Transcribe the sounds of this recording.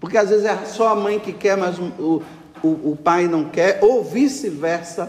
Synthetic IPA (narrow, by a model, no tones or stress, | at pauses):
poɾkeazvezɪzɛsɔɐmɐ̃j̃kɪkɛɾmajzʊʊ | ʊːpajnɐ̃w̃kɛɾovisɪvɛɾsɐ